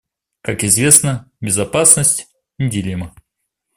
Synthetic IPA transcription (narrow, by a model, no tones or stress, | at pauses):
kakɪzvʲe̞snəbʲɪzɐpasnəsʲtʲ | nʲɪdʲɪlʲemə